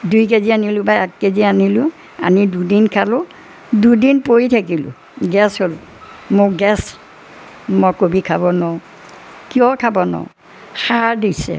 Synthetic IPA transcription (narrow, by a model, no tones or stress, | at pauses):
dujk̬ezianilʊ̃bajɛkkezianilʊ | a̰nidudinkʰalʊ | dudinpojitʰak̬ilʊ̰ | ɡɛshol | moɡɛs | mɔkobikʰabɔnɔ | kijɔkʰabɔnɔ̰ | xaadisɛ̰